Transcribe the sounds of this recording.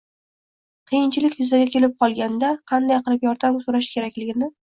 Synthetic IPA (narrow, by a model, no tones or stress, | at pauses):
qʰijɪnt͡ʃʰɪlɪkʲjʊzaɡʲakʲʰe̞lɪp̚qʰɒlˠɡʲand̪aqʰɑnd̪ajqɨɾɪpjɒɾd̪amsoɾaʃkʲʰe̞ɾakʲlɪɡʲɪnɪ